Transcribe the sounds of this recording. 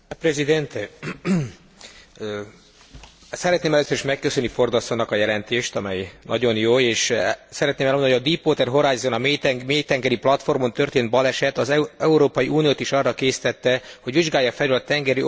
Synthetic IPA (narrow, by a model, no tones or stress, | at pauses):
prɛzid̪ɛnt̪ | sɛɾɛt̪neːmɛløːsːøɾiʃmɛkːøsønːifo̞rd̪ɒsonːɒkɒjɛlɛnt̪eːʃt̪ɒmɛjnɒ̰ɟo̞njoːeːʃsɛɾɛt̪neːmɛlmoɦoɟɒd̪ipoːt̪ɛrɦo̞ɾaːjzonɒmmeːt̪ɛŋɡɛɾiplɒt̪fo̞rmont̪ø̞rt̪eːnt̪bɒlɛʃɛt̪ːɒzɛuɾoːpɒjiʔuːnijoːt̪iʃɒrːɒkeːsi̥t̪ɛt̪ːɛho̞ɟʋiʒɡaːjːɒfɛløːlɒt̪ɛŋɡɛɾi